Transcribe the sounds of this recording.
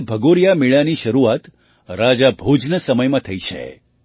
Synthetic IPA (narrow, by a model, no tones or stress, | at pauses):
bʱəɡoɾjamiɭaniʃəɾuat̪ | ɾad͡ʒabʱud͡ʒnəsəməjmãt̪ʰəit͡ʃʰḛ